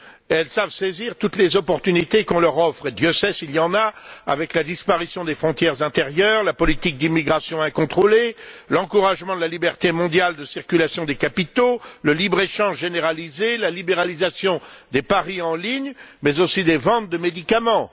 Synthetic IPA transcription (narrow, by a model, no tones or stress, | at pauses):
ɛlsavseziʁt̪ut̪lezɔpɔʁt̪ynit̪ekɔ̃lœʁɔfχed̪jøsɛsiljɑ̃naa̰vɛklad̪ispaʁisjɔ̃d̪efχɔ̃t̪jɛʁzɛ̃t̪eʁjœːʁlapɔlit̪ik̚d̪imiɡʁasjɔ̃ɛ̃kɔ̃t̪χolelɑ̃kuʁaʒmɑ̃d̪əlalibɛʁt̪emɔ̃d̪jald̪əsiʁkʲylasjɔ̃d̪ekapit̪oləlibʁeʃɑ̃ʒʒeneʁalizelalibeʁalizasjɔ̃d̪epaʁiɑ̃liɲmɛzosid̪evɑ̃t̪̚d̪əmed̪ikamɑ̃